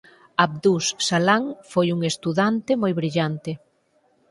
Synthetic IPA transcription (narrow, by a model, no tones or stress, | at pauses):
aβd̪usːalaŋfojuŋest̪uðant̪emojβɾiʎant̪ɪ